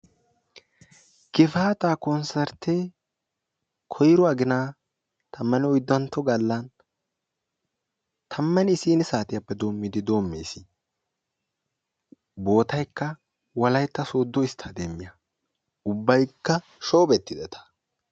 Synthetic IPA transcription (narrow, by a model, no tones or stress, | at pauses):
ɡɪfaːt̪aːkɔnsɛɾt̪ʰːe | kʰɔjɾɔɐɡɪnaː | t̪ʰɐmːɐnɪɔjd̪ːɐnt̪ːɔɡɐlːɐn | t̪ʰɐmːɐnɪːsiːnɪsaːt̪ɪjɐpːɛd̪o̞ːmːɪd̪ɪd̪o̞ːmːḛːsɪ | bo̞ːt̪ɐjkːɐ | wɐlɐjt̪ːɐsoːd̪ːɔɪst̪ʰɐd̪emːɪjɐ | ʊbːɐjkːɐ | ʃoːbɛt̪ːɪd̪ɛt̪ʰɐ̥